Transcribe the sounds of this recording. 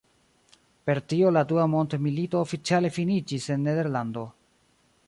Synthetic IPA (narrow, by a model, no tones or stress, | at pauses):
pe̞ɾtioladuamo̞ntmilito̞ːfit͡siale̞finid͡ʒise̞nːe̞de̞ɾlando̞